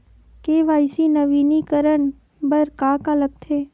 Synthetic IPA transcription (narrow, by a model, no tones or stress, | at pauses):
keːʋaːɪsinɐʋiːnikəɾəɳ | bəɾkaːkaləɡ̚t̪ʰeː